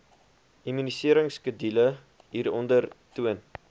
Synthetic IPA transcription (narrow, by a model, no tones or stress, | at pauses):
imynisiəɾəŋskədilə | ɦiːɾɔndərtuən